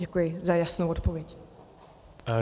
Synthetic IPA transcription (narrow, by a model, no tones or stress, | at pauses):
ɛkujɪzajasnowot̪povjɛc